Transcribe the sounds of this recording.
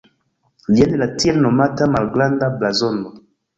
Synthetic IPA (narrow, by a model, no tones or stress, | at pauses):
liɛnelatiɛlnɔmatamalɡlandablazɔndɔ